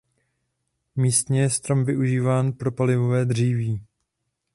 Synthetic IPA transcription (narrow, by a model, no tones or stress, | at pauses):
miːst̪ɲɛjɛst̪ɾomvɪʔuʒiːvaːnpɾo̞palɪvo̞vɛːd̪r̝iːviː